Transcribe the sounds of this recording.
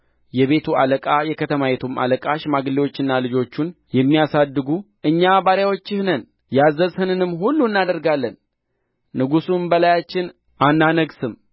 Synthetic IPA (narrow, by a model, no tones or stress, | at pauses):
jɛβe̞t̪ʰua̰ləkʼajɛkʰət̪ʰəmajɛt̪ʰumʔa̰ləkʼaʃmaɡɨlewo̞t͡ʃːɨnːalɨd͡ʒo̞t͡ʃːunjɛmːijasad̪ːɨɡu | ʔɨɲːabaɾjawo̞t͡ʃːɪhnən | jazːəzhɨnɨnɨmːɦulːuɨnːad̪əɾɡalːənː | ɨɡusunbəlajat͡ʃːɪn | anːanəɡsɨm